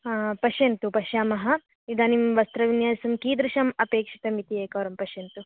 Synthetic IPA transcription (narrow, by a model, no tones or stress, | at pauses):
apɐʃjɐnt̪upɐʃjaːmɐɦɐ | id̪aːnimʋɐst̪ɾɐʋinjaːɐsɐmkiːd̪ɾuʃɐmɐpeːkʂi̥t̪ɐmit̪ieːkɐʋɾɐmpɐʃjɐnt̪u